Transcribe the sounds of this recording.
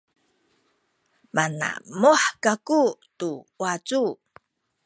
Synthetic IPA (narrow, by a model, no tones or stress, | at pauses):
mana̰muħkakutuwat͡su